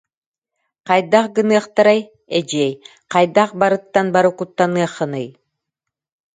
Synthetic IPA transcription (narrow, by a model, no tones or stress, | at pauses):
qɑjd̪aqɡɯnɯɐχt̪aɾaj | ɛd͡ʒɛj | qɑjd̪aqbaɾɯt̪ːanbaɾukut̪ːanɯɐχːɯnɯj